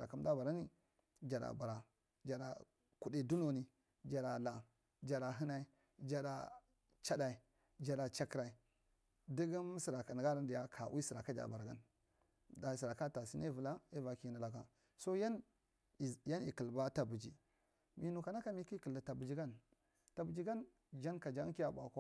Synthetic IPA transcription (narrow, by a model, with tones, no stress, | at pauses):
ɾa˨ka˦m˦da˦ba˨ɾa˦ni˦ | d͡ʒa˨ɾa̰˨ba˨ɾa˨ | d͡ʒa˨da̰˨ | ku˨di˦˨du˦no˨ni˨ | d͡ʒa˨ɾa˨la˨ | d͡ʒa˨ɾa˨ɦi˦na˦i˦ | d͡ʒa˨da˨ | t͡ʃa˦da˨i˨ | d͡ʒa˨da˨t͡ʃa˦kɾa˨i˨ | di˦ɡi˦m˦si˨ɾa˨ka˨n˨ɡa˦a˦n˦di˨ja˦kʰa˨wʔi˦si˨ɾa˨ka˦d͡ʒa̰˨ba˨ɾɡa̰˦n | da˨si˨ɾa˨ka˦ta˨si˦ne˦vu˨la˦e˦va˨ki˦na˨la˦ka˨ | so˦ja˦n˨ | ja˦nḭ˨ki˨lba˦ta˨bu˨d͡ʒi˨ | mi˨nu˨ka˨na˦ka˦mi˦ki˦ki˨la˨ta˨bu˨d͡ʒi˦ɡa˦n | ta˨bu˨d͡ʒi˦ɡa˦n | d͡ʒa˦nka˨d͡ʒa˦ŋ˦ki˦a˦˨ba˨kʷa˦